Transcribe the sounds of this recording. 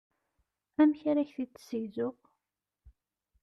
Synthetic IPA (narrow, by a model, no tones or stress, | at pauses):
æmçaɾæçθit͡sːsəjzʊʁ